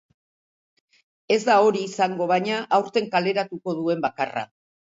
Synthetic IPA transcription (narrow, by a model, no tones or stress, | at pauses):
e̞zd̪ao̞ɾiːsaŋɡo̞β̞aɲaʔawɾt̪e̞ŋkale̞ɾat̪uko̞ðue̞mbakara̰